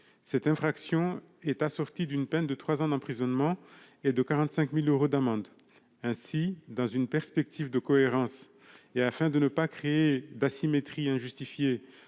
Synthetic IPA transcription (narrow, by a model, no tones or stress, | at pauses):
sɛt̪ɛ̃fχaksjɔ̃ | ɛt̪asɔʁt̪id̪ynpɛnd̪ət̪χwazɑ̃d̪ɑ̃pχizɔnmɑ̃ | ed̪əkaʁɑ̃t̪sɛ̃kmiløʁod̪amɑ̃d̪ | ɛ̃sid̪ɑ̃zynpɛʁspɛk̚t̪ʰivd̪əkɔeʁɑ̃s | eafɛ̃d̪ənəpakχeed̪asimet̪χiɛ̃ʒyst̪ifje